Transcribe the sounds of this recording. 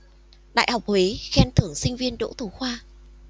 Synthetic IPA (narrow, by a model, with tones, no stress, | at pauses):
ɗa̰ː˧˨jhɔ˨˩wk͡p̚he˨˦xɛ˧nt̪ʰɨ˧˩əŋsï˧ŋ̟vi˧ənɗo̰˧˥t̪u˧˩xwaː˧